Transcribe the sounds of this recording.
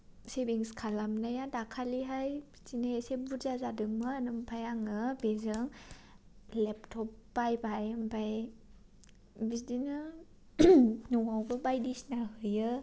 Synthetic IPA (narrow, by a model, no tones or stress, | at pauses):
sebiŋskʰalamnajadakʰaliɦaj | tinaesebuzazadɯŋmɯanɯmpʰajaŋɯbezɯŋ | lep̚tʰɔpːbajbajɯmpʰaj | bisdinɯ | nuŋawbɯbajdisnaɦɯjɯ